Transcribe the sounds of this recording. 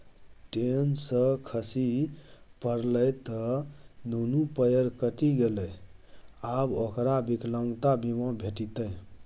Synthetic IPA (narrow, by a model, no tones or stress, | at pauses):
ʈensəkʰəsi | pəɾləjt̪ɔd̪ʱunupəjəɾkəʈiɡeləj | abokɾabikləŋɡt̪abimə̃bʱeʈit̪əj